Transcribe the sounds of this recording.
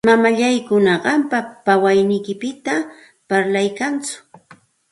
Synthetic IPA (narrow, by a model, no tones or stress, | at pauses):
mamaʎajkʊnɑɢɑmpapawajnɪjkɪpɪt̪a | paɾlajkant͡sʊ̥